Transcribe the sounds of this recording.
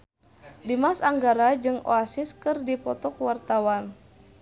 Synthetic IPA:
dimasaŋɡaɾad͡ʒɨŋo̰asɪskɨrdipɔt̪ɔkwart̪awan

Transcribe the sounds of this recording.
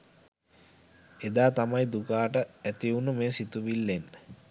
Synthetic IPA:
ed̪aːt̪amajd̪ukaːʈəæt̪iunəmeːsit̪uʋilːenːə

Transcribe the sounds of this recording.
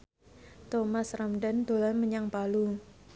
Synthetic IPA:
t̪omasramɖand̪o̤lanməɲaŋpalu

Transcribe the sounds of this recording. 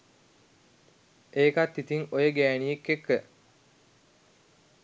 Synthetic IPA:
eːkat̪ːit̪iŋojəɡæːnijekːekːə

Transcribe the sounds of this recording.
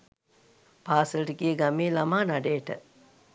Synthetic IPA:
paːsəlʈɡiəɡameːlamaːnaɖeːʈə̰

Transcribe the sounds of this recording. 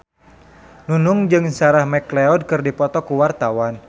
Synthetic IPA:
nunʊŋd͡ʒɨŋsaɾahmɛkleɔd̚kɨrdipɔt̪ɔkuwart̪awan

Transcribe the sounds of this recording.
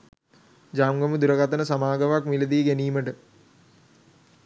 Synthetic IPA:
d͡ʒaːmɡəmud̪uɾəkat̪ənəsamaːɡəʋakmiləd̪iːɡæniːməʈə

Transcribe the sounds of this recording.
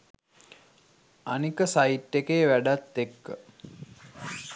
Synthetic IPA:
anikəsaiʈːekeːʋæɖat̪ːekːə̰

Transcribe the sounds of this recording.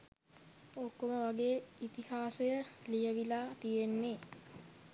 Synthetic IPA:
okːoməʋaɡeːit̪ihaːsejəlijəʋilaːt̪ijenːe

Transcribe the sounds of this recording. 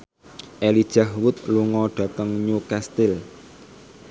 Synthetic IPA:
ʔelid̥ʒ̥ahwʊt̪̚luŋɔɖ̥ä̤t̪əŋɲukast̪ɪl

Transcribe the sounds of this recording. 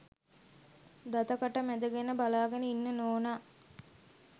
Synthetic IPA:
d̪at̪əkəʈəmæd̪əɡenəbalaːɡenəinːənoːna

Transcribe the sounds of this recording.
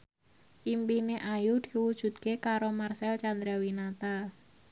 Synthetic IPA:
ʔimpineʔajud̪̥iwud̥ʒ̥ṳt̪̚kekaɾomarsɛlt͡ʃand̪ɾawinat̪a

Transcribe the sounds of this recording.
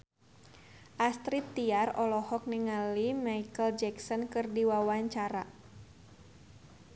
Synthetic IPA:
ʔast̪ɾit̪ːiarɔlɔhɔk̚niŋalimajkəld͡ʒɛksɔnkɨrdiwawaɲt͡ʃaɾa

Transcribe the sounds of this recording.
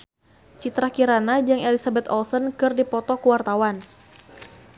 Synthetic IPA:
t͡ʃit̪ɾakiɾanad͡ʒaŋelisabɛt̪ɔlsənkɨrdipɔt̪ɔkəwart̪awan

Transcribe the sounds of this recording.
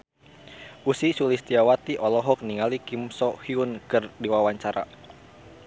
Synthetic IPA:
ʔusisulist̪iawat̪iʔɔlɔɦɔk̚niŋalikimsɔhiunkɨrdiwawaɲt͡ʃaɾa̰

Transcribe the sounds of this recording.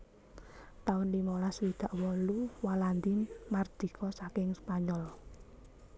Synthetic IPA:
t̪aʊnlimɔlaswid̪̥a̤ʔwɔluwaland̪inmard̪̥i̤kʰɔsakɪŋspaɲɔl

